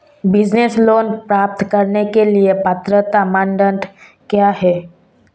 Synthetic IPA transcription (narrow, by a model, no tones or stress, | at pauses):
bɪd͡ʒnesloːnpɾaːp̚t̪kɐɾnekeliepət̪ɾət̪amãɳɖə̃ɳʈ | kjaːɦɛː